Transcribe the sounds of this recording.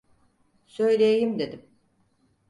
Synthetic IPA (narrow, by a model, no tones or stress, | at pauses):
sø̞jlʲejejimd̪e̞d̪im